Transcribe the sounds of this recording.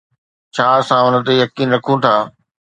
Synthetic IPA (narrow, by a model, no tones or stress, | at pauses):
t͡ɕʰaːsãʊnə̆t̪ejɐkiːnɾɐkʰũt̪ʰaː